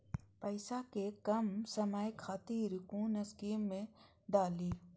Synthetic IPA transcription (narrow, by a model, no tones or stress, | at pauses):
pəɪsakekɐmsɐməjkʰat̪iːɾkuːnəskiːmːẽ | d̪aːliː